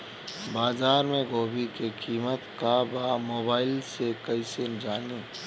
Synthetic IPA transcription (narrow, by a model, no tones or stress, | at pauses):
baːzaːɾmẽɡoːbikekiːmət̪kabamoːbaːɪlsekɐisend͡ʒaːniː